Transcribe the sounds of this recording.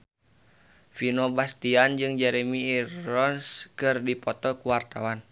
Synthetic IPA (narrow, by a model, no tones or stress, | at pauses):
finobast̪iand͡ʒɨŋd͡ʒɛɾɛmiːrɔnskɨrdipɔt̪ɔkuwart̪awan